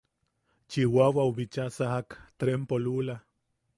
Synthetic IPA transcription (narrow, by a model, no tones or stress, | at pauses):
t͡ʃiwawauβit͡ʃasahakt̪ɾempolula